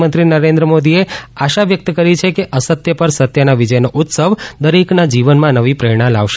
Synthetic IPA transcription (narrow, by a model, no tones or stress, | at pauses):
mənt̪ɾinəɾẽnd̪ɾəmod̪ieaʃaʋjək̚t̪əkəɾit͡ʃʰekeʔəsət̪jəpəɾsət̪jənaʋid͡ʒəjnoʔut̪səʋd̪əɾiknad͡ʒiʋənmãnəʋipɾeɽ̃ãlaʋʃ